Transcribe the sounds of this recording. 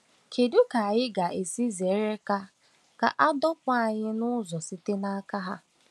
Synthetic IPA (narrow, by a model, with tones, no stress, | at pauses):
kʰe˨du˦ka˨a˨jɪ˦ɡa˨ʔe˨si˦ze˨˦ɾe˦ka˦ | ka̰˨ʔa˦dɔ˦kʷa˦a˨ɲɪ˦nʊ˦zɔ˨si˦te˦na˦a˦ka˦ɦa˦